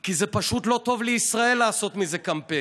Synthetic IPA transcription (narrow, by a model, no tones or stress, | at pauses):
kizepaʃut̪lo̞t̪o̞vleisʁae̞lːaːso̞t̪mizekampe